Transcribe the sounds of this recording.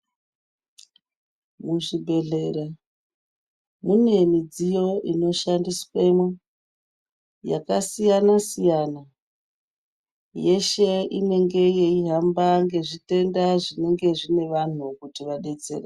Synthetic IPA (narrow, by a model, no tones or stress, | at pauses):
muʐibʱe̞ɮe̞ɾa | mune̞mid͡zijo̞ʔino̞ʃandiswemwe | ja̰kasijanasijana | je̞ʃe̞ine̞ŋɡe̞je̞iɦambaŋɡe̞ʐite̞ndaʐine̞ŋɡe̞ʐine̞ʋan̤ukutiʋaɗe̞t͡se̞̰re